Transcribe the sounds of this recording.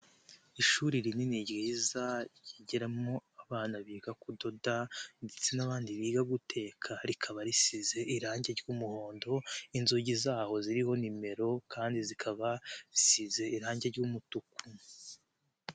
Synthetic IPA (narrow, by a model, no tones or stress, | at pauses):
iʃuːɾiɾininiɟɾizajiɟiɾamoaβaːnaβiːɡakudo̞dandet͡senaβaːndiβiːɡaɡutʰe̞ːkʰaɾikʰaβaɾisize̞ʔiɾaːɲɟeɾɟuːmuho̞ːndo̞inzuɟizaːho̞ziɾiho̞nime̞ɾo̞kʰaːndizikʰaβaisize̞iɾaːɲɟeɾɟuːmutuku